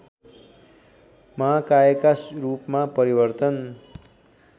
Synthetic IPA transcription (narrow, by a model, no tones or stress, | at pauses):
makaekarupmapʌɾibʌrt̪ʌn